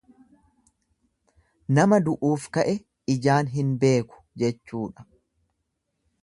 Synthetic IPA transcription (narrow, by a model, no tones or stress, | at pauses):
nɐmɐd̪ʊʔuːfkɐʔɛ | ɪd͡ʒaːnɦɪnbe̞ːkʊ̥d͡ʒɛt͡ʃːuːᶑɐ̥